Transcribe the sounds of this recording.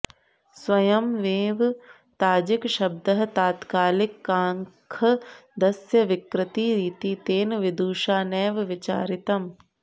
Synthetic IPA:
sʋɐjɐmʋeːʋ | t̪aːd͡ʒɪkʃɐb̚d̪ɐɦt̪aːt̪kaːlɪkːaːŋkʰɐd̪ɐsjɐʋɪkɾɪt̪iːɾiːt̪iːt̪eːnʋɪd̪uːʃaːnɛːʋʋɪt͡ʃa̰ːɾɪt̪ɐm

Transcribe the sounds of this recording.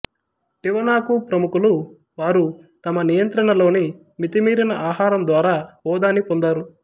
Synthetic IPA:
ʈiʋɐnaːkupɾɐmukulu | ʋaːɾu | t̪ɐmɐnijɐnt̪ɾɐɳɐlo̞ːni | mit̪imiːɾinɐʔaːɦaːɾɐmd̪ʋaːɾaːbɔːd̪aːnipond̪aːɾu

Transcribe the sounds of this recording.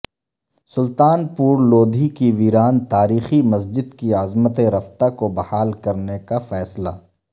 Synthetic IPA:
sʊlt̪aːnpuːɾloːd̪ʱikiʋiːɾaːnt̪aːɾiːximɐs̬d͡ʒɪd̪kiaːzmət̪eɾɐft̪akobɐhaːlkɐɾnekafɛːsla̰ː

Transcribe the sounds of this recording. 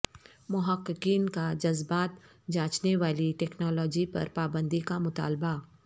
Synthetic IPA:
mʊɦəqːɪkiːnkad͡ʒɐzbaːt̪ | d͡ʒaːt͡ʃneʋaːliʈɛːknɔːlɔːd͡ʒipɐ̰ɾpaːbə̃nd̪ikamʊt̪a̰ːlba

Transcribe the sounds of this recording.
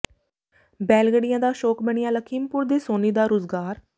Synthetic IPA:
bɛːlɡəɽɪjãːd̪aːʃoːkbəɳ̃ɪjãːləkʰiːmpʊɾd̪eːsoːniːd̪aːɾoːzɡaːɾ

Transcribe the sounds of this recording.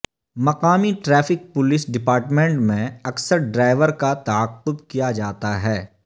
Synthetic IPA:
mɐqaːmiʈɾɛːfɪk̚pʊlɪsɖɪpaːɾʈmẽɳʈmẽɐksəɾɖɾaːɪʋəɾkat̪aəqːʊbkijad͡ʒaːt̪aɦɛː

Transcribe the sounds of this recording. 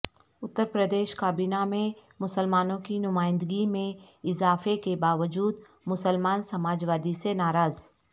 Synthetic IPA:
ʊt̪ːəɾpɾəd̪eːʃkaːbiːnamẽmʊsəlmaːnõkinʊmaːɪ̃nd̪əɡimẽ | ɪzaːfekebaːʋəd͡ʒuːd̪ | mʊsəlmaːnsɐmaːd͡ʒʋaːd̪isenaːɾaːz

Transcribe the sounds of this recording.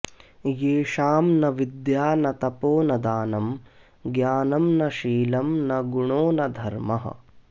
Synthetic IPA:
jeːʃaːmnɐʋid̪jaːnɐt̪ɐpoːnɐd̪aːnɐm | ɡjaːnɐmnɐʃiːlɐmnɐɡuɳoːnɐd̪ʱɐɾmɐɦɐ̰

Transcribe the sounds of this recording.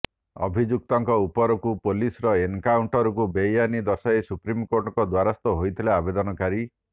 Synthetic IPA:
ɔ̰bʱid͡ʒuk̚t̪ɔŋkɔupɔɾɔkupolisɔɾɔeŋkawɳʈɔɾɔk̬ubejanid̪ɔsaesupɾimkoɾʈɔkɔd̪waɾast̪ɔɦojt̪ʰileabed̪ɔnɔkaɾi

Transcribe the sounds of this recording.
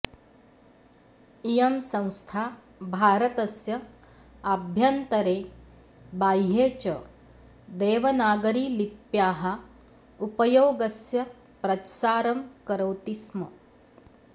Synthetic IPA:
ijɐmsɐ̃w̃st̪ʰaː | bʱaːɾɐt̪ɐsjɐ | ɐbʱjɐnt̪ɐɾeː | baːjɦeːt͡ʃɐ | d̪eːʋɐnaːɡɐɾiːlipjaːɦɐ̆ | upɐjoːɡɐsjɐ | pɾɐt̪ʃaːɾɐmkɐɾɐwt̪ismɐ

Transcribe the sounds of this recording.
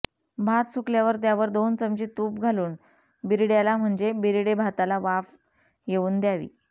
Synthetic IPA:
bʱat̪sukljaʋəɾt̪̬jaʋəɾd̪ont͡səmt͡ɕiːt̪uːp̚ɡʱaluːn | biɾiɽjalam̤əɳd͡ʑebiɾiɽebʱat̪alaʋaf | jeuːnd̪jaʋḭː

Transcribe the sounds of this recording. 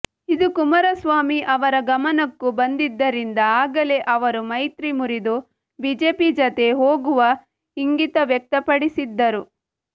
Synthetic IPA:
id̪ukumɐɾɐsʋaːmiʔɐʋɐɾɐɡɐmɐnɐkːubɐnd̪id̪ːɐɾind̪ɐaːɡɐle̞ʔɐʋɐɾumɐjt̪ɾimuɾid̪u | bid͡ʒeːpid͡ʒɐt̪e̞ɦoːɡuʋɐ | iŋɡit̪ɐʋjɛk̚t̪ɐpɐɽisid̪ːɐɾu

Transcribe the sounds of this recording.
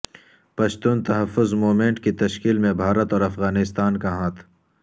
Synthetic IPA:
pɐʃt̪uːnt̪ɐɦɐfːʊzmoːmẽɳʈkit̪ɐʃkiːlmẽbʱaːɾət̪ɔːɾɐfɣaːnɪst̪aːnkaɦaːt̪ʰ

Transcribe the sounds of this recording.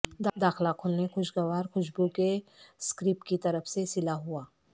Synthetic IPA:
d̪ad̪aːxlakʰʊlnexʊʃɡɐʋaːɾxʊʃbukeskɾɪːpkit̪ɐɾəfsesɪlaɦuaː

